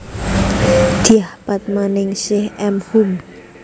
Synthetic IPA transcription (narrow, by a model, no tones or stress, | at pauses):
d̪̥iahpat̪̚manɪŋsɪhɛmhum